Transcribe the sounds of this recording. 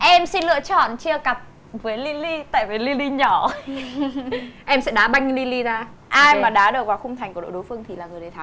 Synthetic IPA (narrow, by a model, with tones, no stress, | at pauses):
ʔɛ˧msi˧nlɨ̰˧˨ət͡ɕɔ̰˧˨nt͡ɕɨ˧əka˨˩p̚ | vəː˨˦li˧li˧t̪a̰ː˧˨jvə˨˦li˧li˧ɲɔ˧˩ | ʔɛ˧msɛ̰˧˥ɗaː˨˦ɓa˧jŋ˧li˧li˧zaː˧ | ʔaː˧jmaː˨˩ɗaː˨˦ɗɨ˨˩ək̚vaː˨˩wxʊ˧ŋ͡mt̪ʰjŋkɗo̰˧˨ɗo˨˦jfɨ˧əŋt̪ʰi˨˩laː˨˩ŋɨ˨˩əjɗe˨˩t̪ʰa˨˦